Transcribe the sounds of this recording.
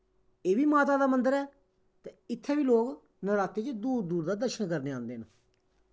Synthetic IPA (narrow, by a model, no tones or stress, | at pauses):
eːʋiːmaːt̪aːd̪aːmənd̪əɾɛː | t̪ɛ̃ɪt̪ʰːɛːbiːloːk | nəɾaːt̪eːt͡ʃd̪uːɾd̪uːɾd̪aːd̪əɾʃənkəɾneːãːnd̪eːn